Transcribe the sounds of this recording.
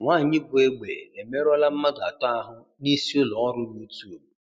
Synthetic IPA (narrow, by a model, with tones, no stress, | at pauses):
ŋʷa˦˨ɲɪ˦bʊ˨e˦ɡ͡bḛ˨e˨me˦ɾɔ˦la˦m̩˦ma˦ɡa̰˨tɔ˦a˦ɦʊ˦ | ni˦si˦o˦lɔ˨ɔ˦ɾʊ˦nu˦tu˦o˨